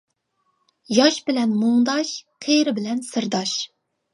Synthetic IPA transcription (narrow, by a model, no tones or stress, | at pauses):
jɑʃbɪlɛnmuŋd̪ɑʃqʰeɾɪbɪlɛnsɨɾd̪ɑʃ